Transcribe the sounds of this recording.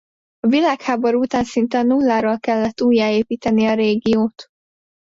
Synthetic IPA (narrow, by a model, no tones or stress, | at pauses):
ɒvilaːkhaːbo̞ɾuut̪aːnsint̪ɛnulːaːɾolkɛlːɛt̪ːuːjːaːeːpiːt̪ɛniɒɾeːɡijoːt̪